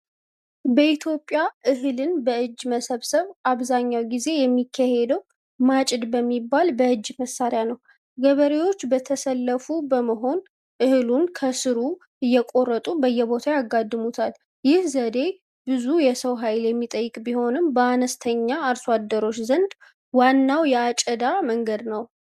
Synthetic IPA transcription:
bəit̪ʰjo̞pʼːjaʔɨɦɨlɨnbəɨd͡ʒːməsəβsəβaβzaɲːawɡize̞jɛmːikʰːahe̞d̪əw | mat͡ʃʼɪd̪bəmːibːalbəɨd͡ʒːməsːaɾɪjanəw | ɡəβəɾewo̞t͡ʃːbət̪ʰəsəlːəfubəməɦo̞n | ʔɨhɨlunkʰəsɨɾu | ʔɨjːɛkʼo̞rːət̪ʼubəjːɛbo̞t̪ʰajaɡːad̪ːɨmut̪ʰal | jɪhzəd̪e̞ | bɨzujɛsəwɦajljɛmːit̪ʼəjːɨkʼbiho̞nɨmbəanəst̪ʰəɲːaːɾswad̪ːəɾo̞t͡ʃːzənd̪ | wanːawjɛat͡ʃʼəd̪aməŋɡəd̪nəw

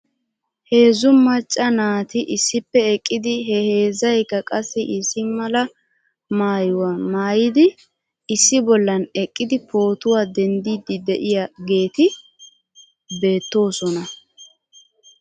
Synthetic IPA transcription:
he̞ːzʊmɐt͡ʃʼːɐnaːt̪ɪʔɪsːɪpːɛɛkʼːɪd̪ɪɦɛhe̞ːzɐjkːɐkʼɐsːɛʔɪsːɪmɐlɐ | maːjʊwamaːjɪd̪ɪ | ɪsːɪbɔlːɐnɛkʼːɪd̪ɪpʰo̞ːt̪ʊwaːd̪ɛnd̪iːd̪ːɪd̪ɛʔɪjaɡe̞ːt̪ɪ | be̞ːt̪ːo̞ːsɔnɐ

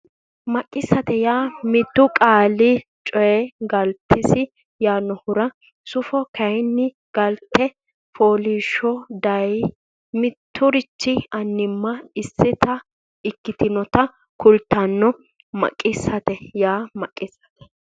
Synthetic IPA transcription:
mɐkʼːɪsːɐt̪ɛjaːmɪt̪ːʊkʼaːlɪ | t͡ʃʼɔjɛɡɐlt̪ʰːɛsɪ | jaːnɔhʊɾɐ | sʊfɔkɐjnːɪ | ɡ̥ɐlt̪ːɛ | foːliːʃɔd̪ɐj | mɪt̪ʰːʊɾɪt͡ʃːɪɐnːɪmːɐɪsːɪt̪ɐ | ɪkːɪt̪ɪnɔt̪ɐ | kʊlt̪ːɐnːɔ | mɐ̰kʼːɪsɐt̪ɛjaːmɐkʼːɪsːɐ̥t̪ɛ̥

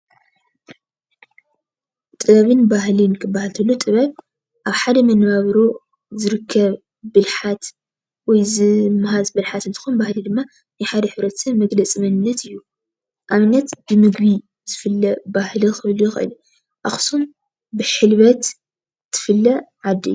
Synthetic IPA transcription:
t̪ʼɨβɐβɨnbaɦlɨnkʰɨbːahalt̪ʰɨlːot̪ʼɨβɐβ | ʔaβħad̪ɐmɐnβaβɾo | zɨɾɨkʰːɐβ | bɨlħat̪ | wɔjzɨmɨɦazbɨlħat̪ɨnt̪ʰɨ̥xunbahlid̪ɨmːa | najħad̪ɐħɨβɾɐt̪ʰsɐβmɐɡlɐt͡sʼɨmɐnɨnːɐt̪ɨjːu | ʔaβɨnːɐt̪bɨmɨɡβi | z̥ɨfɨlːɐbahlixɨlujɪxʔɨ̰l | ʔaxsum | bɨħɨlβɐt̪ | t̪ʰːɨ̥fɨlːɐʕad̪ːḭjːu

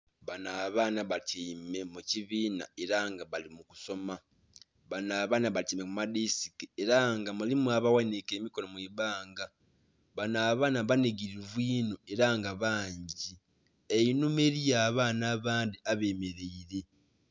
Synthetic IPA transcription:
βanaːβaːnaβatʰiːme̞muciβiːna̰e̞ɾaŋɡaβalimuku̥so̞ma | βanaːβaːnaβatiːme̞mumadisi̥kieɾaŋɡamulimuaβawanike̞ːmiko̞lomweːβaːŋɡa | βanaːβaːnaβaniɡiɾiβwiːnoe̞ɾaŋɡaβaːɲɟi | einumeɾijaːβaːnaːβaːndiaβe̞ːme̞ɾe̞iɾe̞

